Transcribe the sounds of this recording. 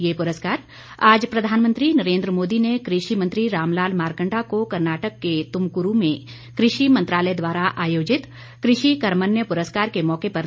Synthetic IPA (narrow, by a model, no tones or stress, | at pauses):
jeːpʊɾəskaːɾ | aːd͡ʒpɾɐd̪ʱaːnmə̃nt̪ɾinɐɾẽːnd̪ɾəmoːd̪inekɾɪʃimə̃nt̪ɾiɾaːmlaːlmaːɾkə̃ɳʈakokɐɾnaːʈəkːet̪ʊmkʊɾumẽ | kɾɪʃimɐ̃nt̪ɾaːləd̪ʋaːɾaʔaːjoːd͡ʒɪt̪ | kɾɪʃikɐɾmənjəpʊɾəskaːɾkemɔːkepɐɾ